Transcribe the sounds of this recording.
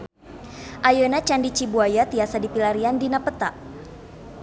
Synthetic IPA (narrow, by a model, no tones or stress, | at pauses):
ʔajənat͡ʃandit͡ʃibuajat̪iasadipilaɾiandinapət̪aʔ